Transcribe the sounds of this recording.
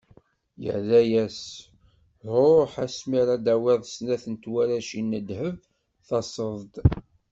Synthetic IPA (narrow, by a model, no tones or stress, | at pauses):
jə̰ðæjæs | ɾoħæsmiɾæd̪æwiðˤsnæθənt̪wæɾæʃinːəd̪həv | θɑsˤəðˤd̪